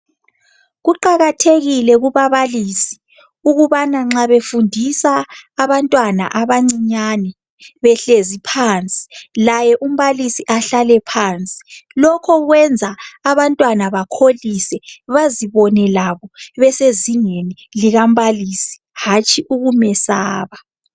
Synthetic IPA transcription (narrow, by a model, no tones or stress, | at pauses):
ɣuǃaɣatʰeɣilɛɣuβaβaliːsi̥ | uɣuβanaŋ͡ǁaβefundʱisaːβantʼwana̰ʔaβaŋ͡ǀiɲanɛ | βɛɬezipʰaːnt͡sʼi̥lajɛʔum̩βalisiʔaɬalɛpʰaːnt͡sʼi̥lɔkʰɔɣwɛnd͡zʱaːβantʼwanaβakʰolisɛβaziβɔnɛlaβɔβɛseziŋeni | liɣam̩βalisi̥ | hat͡ʃʼiʔuɣumɛsaːβa